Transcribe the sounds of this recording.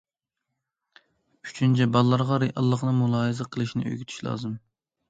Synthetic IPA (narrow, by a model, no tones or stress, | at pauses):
y̥t͡ʃʰynt͡ʃʰɛbɑlˠːɑɾʁɑɾeʔɑlˠːəχnɨŋmulˠɑːɦɨzɨqʰəlˠɨʃinɪ̰ʔø̰ɡʲyt̪ʰy̥ʃlˠɑ̰ːzɨm